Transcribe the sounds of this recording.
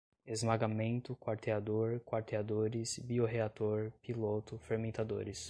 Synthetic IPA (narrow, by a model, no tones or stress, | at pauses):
ezmaɡamẽnt̪ʊkwaɾt̪ead̪oɾkwaɾt̪ead̪oɾɪsbioɦeat̪oɾpilot̪ʊfeɾmẽt̪ad̪o̰ɾɪs